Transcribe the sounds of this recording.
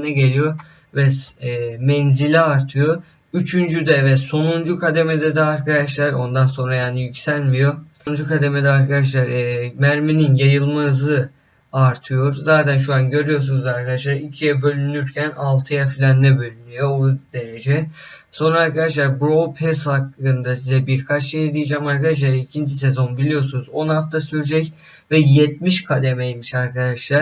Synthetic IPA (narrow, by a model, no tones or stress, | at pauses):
nɛɟe̞lʲijo̞ | vɛ | mɛnzilʲɛaɾt̪ʰɯjo̞ | yt͡ʃʰynd͡ʒyd̪ɛvɛso̞nund͡ʒukʰad̪emed̪ɛd̪ɛaɾkʰad̪aʃlˠaɾo̞nd̪anso̞nɾajaːnijycʲsælʲmijo̞ | ud͡ʒukʰad̪e̞med̪ɛaɾkʰad̪aʃ̬lˠaɾmæɾmininjajɯlˠmazɯ | aɾt̪ʰɯjo̞ɾzaːt̪ʰænʃ̬uanɟø̞ɾyjo̞ɾs̬unuzaɾkʰad̪aʃlˠaɾicʰijɛbø̞lʲynyɾcʰænalˠt̪ʰɯjafilʲand̪ɛbø̞lʲynyjo̞od̪̥e̞ɾe̞d͡ʒɛ | so̞nɾaːɾkʰad̪aʃlˠaɾbɾopʰɛshakːɯnd̪asizɛbiɾkʰat͡ʃʃejd̪ijid͡ʒaːmaɾkad̪aʃ̬lˠaɾicʰind͡ʒʰise̞zo̞nbilʲijo̞sunuzo̞nhaft̪ʰasyɾd͡ʒɛc | vɛjɛt̪̚miʃkʰad̪emejmiʃaɾkʰad̪aʃlˠaɾ̥